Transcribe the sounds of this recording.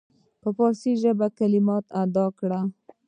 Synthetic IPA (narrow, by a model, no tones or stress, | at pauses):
pəpɑsiʒəbakalimɑt̪ad̪ɑkɽa